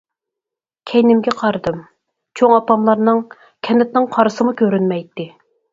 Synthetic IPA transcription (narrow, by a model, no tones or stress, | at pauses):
kʲʰɛjnɪmɡʲɛqʰɑɾɨd̪ɨm | t͡ʃʰoŋɑpɑmlˠɑɾnɨŋ | kʲʰɛnɪt̪̚nɪŋqʰɑɾɨsɨmukʲʰøɾynmɛjt̪ːɪ